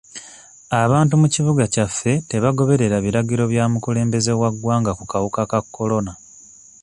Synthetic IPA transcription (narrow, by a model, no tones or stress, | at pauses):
aβaːntumuciβuɡacafːe̞te̞βaɡo̞βe̞ɾe̞ɾaβiɾaɟiɾo̞βjaːmukule̞ːmbe̞ze̞waɡwaːŋɡakukawukakakːo̞lo̞na